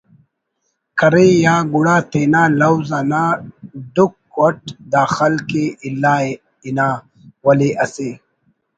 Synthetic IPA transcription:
kɐɾejaːɡuɽaːt̪eːnaːlɐwzanaːɖukː | wɐʈ̚d̪aːxɐlkeilːaː | inaː | wɐleʔɐseː

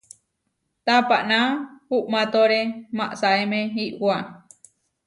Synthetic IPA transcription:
t̪apaʔnãhuʔmãt̪oɾemaʔsaemẽɦiʔwwa

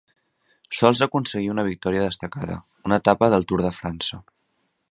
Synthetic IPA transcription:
sɔlˠzəkunsəɣiunəβik̚t̪ɔɾiəðəst̪əkaðə̰ | unət̪apəðəlˠt̪uɾðəfɾansə

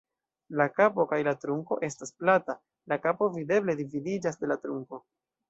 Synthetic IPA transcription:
lakapo̞kajlatɾuŋko̞̰ʔe̞stasplata | lakapo̞vide̞ble̞dividid͡ʒasde̞latɾuŋko̞

